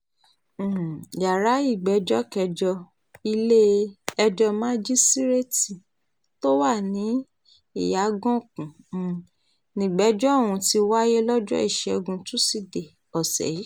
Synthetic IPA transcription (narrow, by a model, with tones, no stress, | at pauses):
ja˨ɾa˨˦i˦˨ɡ͡bɛ˨˦d͡ʒɔ˦kɛ˧d͡ʒɔ˧ | i˧le˦ɛ˧d͡ʒɔ˧mã˦d͡ʒi˦si˦ɾe˦ti˨ | to˦wa˦˨nĩ˨˦ | i˦˨ja˨˦ɡɔ̃˦kũ˨ | nĩ˨ɡ͡bɛ˨˦d͡ʒɔ˦˨wũ˧ti˧wa˦je˦lɔ˦d͡ʒɔ̰˦i˦˨ʃɛ˧ɡũ˧tũ˦si˦˨de˨ | ɔ˨sɛ̰˨i˨˦